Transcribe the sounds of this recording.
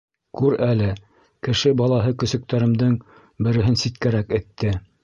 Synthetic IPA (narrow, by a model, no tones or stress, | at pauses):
kʉɾælɘ | kɘ̆ʃɘbɑlˠɑɦɤkɵ̆sɵ̆k̚t̪æɾɘ̆md̪ɘŋ | bɘ̆ɾɘ̆ɦɘnsit̪kæɾækɘ̆t̪ːɘ